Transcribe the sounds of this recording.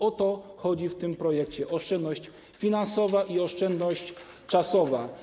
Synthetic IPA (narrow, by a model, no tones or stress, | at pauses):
ɔt̪ɔxɔd͡ʑift̪ɘmpɾɔjɛk̚t͡ɕɛʔɔʂt͡ʂɛnd̪nɔɕt͡ɕ | fʲinansɔvaʔiɔʂt͡ʂɛnd̪nɔɕt͡ɕ | t͡ʂasɔva